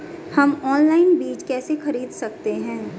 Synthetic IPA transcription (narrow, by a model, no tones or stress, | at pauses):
hɐmɔːnlaːɪnbiːt͡ʃkɛːsexɐɾiːd̪sɐk̚t̪eɦɛ̃ː